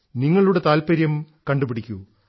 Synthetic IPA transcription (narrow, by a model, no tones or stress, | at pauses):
niŋːɐɭuɽe̞t̪aːlpɐɾjɐm | kɐɳɖupiɽikʲːu